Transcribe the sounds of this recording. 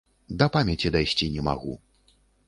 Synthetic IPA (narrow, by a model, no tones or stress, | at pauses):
d̪ɐpamʲɛt͡sʲid̪ajsʲt͡sʲinʲɛma̰ɣṵ